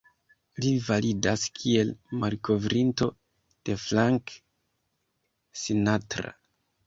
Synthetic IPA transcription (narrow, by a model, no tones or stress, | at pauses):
livalidaskʰie̞lmaɾko̞vɾʔinto̞ | d̥e̞flaŋk | sinatɾa̰